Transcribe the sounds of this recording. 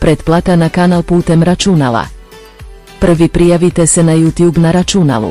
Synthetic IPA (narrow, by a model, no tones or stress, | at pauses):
pɾed̪plˠat̪anakanalˠpuːt̪emɾat͡ʃunala̰ | pr̩ʋipɾijaʋit̪esenajuːt̪juːbnaɾat͡ʃuna̰lṵ